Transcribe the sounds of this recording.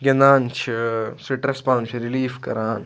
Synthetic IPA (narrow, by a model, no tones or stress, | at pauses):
ɡɐnd̪aːnt͡ʃʰisɾiʈɾɐspãːnt͡ʃʰiɾiliːfkɐ̰ɾaːn